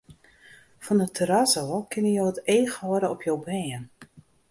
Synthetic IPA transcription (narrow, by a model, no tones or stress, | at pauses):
fɔnətʰəɾasokʰɪnəjoːəteːxhɔəɾəɔpʰjowbrɛːən